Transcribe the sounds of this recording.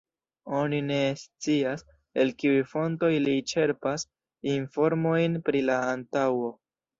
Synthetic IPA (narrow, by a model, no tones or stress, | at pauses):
o̞nine̞st͡sias | e̞lkiujfo̞nto̞jlit͡ʃe̞ɾpas | info̞ɾmo̞jnpɾilaːntawo̞